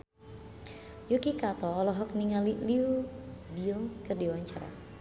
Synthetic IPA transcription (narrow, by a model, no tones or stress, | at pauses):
jukikat̪ɔːlɔɦɔk̚niŋaliliubilkərdiwaɲt͡ʃa̰ɾa̰